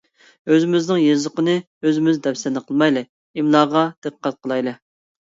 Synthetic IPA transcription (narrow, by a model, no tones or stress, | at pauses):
øzɪmɪznɪŋjezəqənɨ | øzɪmɪzd̪ɛwsɛnɨqʰəlˠmɑjlˠɨ | imlˠɑːʁɑd̪̥ɨqʰə̥qʰːɑt̪̚qʰəlˠɑjlˠɨ